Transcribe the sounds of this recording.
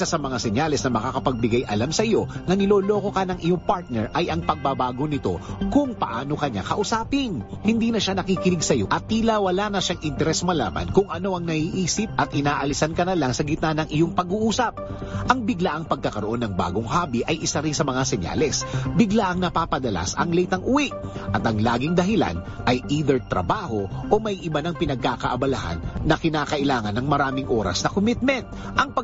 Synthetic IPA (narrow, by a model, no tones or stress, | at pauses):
asɐmɐŋasɛɲalɛsnɐmɐkaːkɐpɐɡ̚bɪɡajʔɐlamsɐʔɪjo̞nɐnɪlo̞ːlo̞ko̞kɐnɐŋʔɪjoŋpaɹt̪̚nɛɹʔɐjʔɐŋpɐɡ̚babaːɡo̞nɪt̪o̞̰kʊŋpɐʔaːno̞kɐɲa̰kɐʔʊsaːpɪn | hɪnd̪iːnɐʃanɐkiːkɪnɪɡsɐjo̞ʔɐt̪̚ːiːlawɐlanɐʃaŋʔɪnt̪ɛɾɛsmɐla̰ːmɐ̰nkʊŋʔɐno̞ʔɐŋnɐhiːʔiːsɪp̚ʔɐt̪ʔɪnaːʔɐlɪsankɐnɐlaŋsɐɡɪt̪nanɐŋʔɪjoŋpɐɡuʔuːsɐp̚ʔɐŋbɪɡlaʔɐŋpɐɡ̚kɐkɐɾoʔo̞nːɐŋba̰ːɡoŋɦaːbiʔɐjʔɪsaɾɪnsɐmɐŋasɛɲa̰lɛsbɪɡlaʔɐŋnɐpaːpɐd̪ɐla̰sɐ̰ŋlɛjt̪ɐŋʔʊwiʔʔɐt̪ɐŋlaːɡɪŋd̪ɐɦɪla̰n | ʔɐjʔiːd̪ɛɹt̪ɾɐ̰baːho̞ʔomɐjʔɪbɐnɐŋpɪnɐɡ̚kaːkɐʔɐbɐlaha̰nːɐkɪnaːkɐʔɪlaːŋɐnːɐŋmɐɾaːmɪŋʔoːɾɐ̰snɐkomɪt̪̚mɛnt̪̚ | ʔɐŋpɐ